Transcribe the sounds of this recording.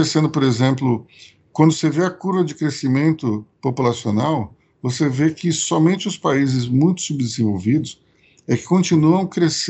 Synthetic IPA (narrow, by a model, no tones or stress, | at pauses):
esẽnd̪ʊpoɾezẽmplʊ | kwɐ̃nd̪ʊseveɐkuɾvɐd͡ʒɪkɾesimẽnt̪ʊpopulasionaw | vosevekɪsɔmẽnt͡ʃɪʊspaizɪzmũj̃t̪ʊ̥subd̪ɪzẽvowvid̪ʊs | ɛkɪ̥kõnt͡ʃinuɐ̃w̃kɾes